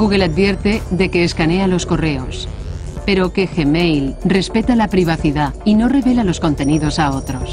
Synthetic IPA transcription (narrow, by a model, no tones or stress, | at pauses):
ɡuɣe̞lad̪bje̞ɾt̪e̞ðe̞ke̞ːskanealo̞sko̞re̞o̞̰s | pe̞ɾo̞ke̞xe̞mejlre̞spe̞t̪alapɾiβ̞aθiðaino̞re̞βe̞lalo̞sko̞nt̪e̞nið̞o̞sao̞t̪ɾos